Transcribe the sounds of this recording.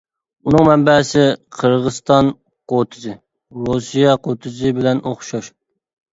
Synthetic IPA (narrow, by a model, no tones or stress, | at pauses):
unɨŋmɛmbɛsɪqʰəɾʁəzt̪ɑn | qʰot̪ʰɨzɨ | ɾusijɑqʰot̪ʰɨzɨbɪlɛnoχʃɑʃ